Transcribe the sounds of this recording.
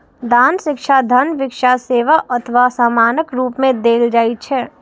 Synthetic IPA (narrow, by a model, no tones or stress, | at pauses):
d̪aːnʃɪkʃʰad̪ʱənʋɪkʃaseːʋaʔət̪ʰəʋasaːmaːnəkɾuːpmẽd̪eːld͡ʒaːit̚t͡ʃʰɛː